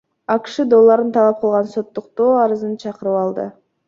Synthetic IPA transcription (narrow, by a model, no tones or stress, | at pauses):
ɑkʃɯd̪o̞lˠːɑɾɯnt̪ʰɑlˠɑp̚qʰəlˠʁɑnso̞t̪ːuq̚t̪o̞ːɑɾɯzɯnt͡ʃʰɑqɯɾɯpɑlˠd̪ɯ̰